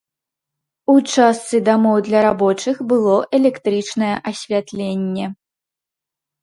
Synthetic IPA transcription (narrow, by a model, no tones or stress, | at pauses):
ut͡ʂast̪sɨd̪amɔwd̪lʲɐɾabɔt͡ʂɨxbɨlˠɔʔɛlʲɛkt̪ɾɨt͡ʂnɐjɛʔɐsʲvʲat̪lʲenʲːɛ